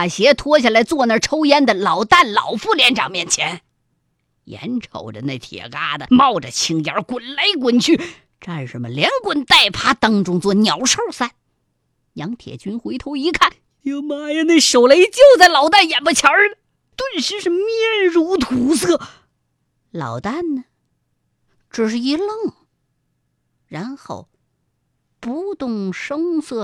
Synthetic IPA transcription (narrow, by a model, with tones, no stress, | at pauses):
a˨˩ɕjɛ˧˥t̪ʰwɔ˥ɕ̬ja˥˩la˧˥ɪt͡swɔ˥˧na˥˩ʈ͡ʂʰo˥ʊjɛ˥nd̪ə˨lɑ˨˩ʊt̪a˥˩nlɑ̰˨˩ʊfu˥˩ljɛ˧˥nʈ͡ʂɑ̰˨˩ŋmjɛ˥˩nt͡ɕʰjɛ˧˥n | jɛ̰˧˥nʈ͡ʂʰo̰˨˩ʊʈ͡ʂə˨na˥˩ɪt̪ʰjɛ̰˨˩ka˥d̪ə˨mɑ˥˧˩ʊʈ͡ʂə˩t͡ɕʰi˧˥ŋjɑ̰˧˥kwə˨˩nle˧˥ɪk̬wə˧˨˩nt͡ɕʰy˥˩ | ʈ͡ʂa˥˩nʂə˧˥mə˨ljɛ˧˥nkwə˧˥nt̪a˥˩ɪpʰa˥t̪ɑ˥ŋʈ͡ʂʊ˥ŋt͡swɔ˥˩njɑ˨˥ʊʂo˥˧˩ʊsa˥˩n | jɑ˧˥ŋt̪ʰjɛ̰˨˩t͡ɕy˥nxwe˧˥ɪt̪ʰo˧˥ʊi˧˥kʰa˥˩n | jo˧˩ʊma˧˥jɛ˧˥ne˥˩ɪʂo˨˩ʊle˧˥ɪt͡ɕjo˥˧ʊt͡sa˥˩ɪlɑ˨˩ʊt̪a˥˩njɛ˨˩npə˧t͡ɕʰjɑ˧˥ | t̪wə˥˩nɕi˧˥ʂ̩˥˧mjɛ˥˩nɻu˧˥t̪ʰu˧˥sɤ˥˩ | lɑ̰˨˩ʊt̪a˥˩nnə˩ | ʈ͡ʂɻ̩˨˩ʂ̬ɻ̩˥˩i˧˥lɤ˥˩ŋ | ɻa˧˥nxo̰˥˩ʊ | pu˧˥t̪ʊ˥˩ŋʂɤ˥ŋsɤ˥˩